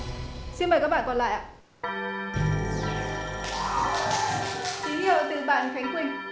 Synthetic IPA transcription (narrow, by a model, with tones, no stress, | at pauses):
si˧nmɓəː˨˩jkaː˦˥ɓa̰ː˧˨ŋkɔ˨˩nla̰ː˧˨jʔa̰ː˧˨ | t͡ɕï˨˦ŋ̟hi˧ə˨ʔt̪ɨ̰˧˨ɓa̰ː˧˨nxa˨˦jŋkwï˧˩ŋ̟